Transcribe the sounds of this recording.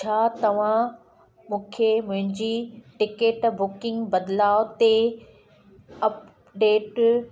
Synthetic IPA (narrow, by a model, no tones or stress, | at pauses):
t͡ɕʰaːt̪ɐʋ̤ã | mũːkʰemʊ̃ɦɪ̃ɲd͡ʑiʈɪkeːʈbʊkɪ̃ŋɡbɐd̪ɪlaːot̪e | ɐp | ɖeːʈ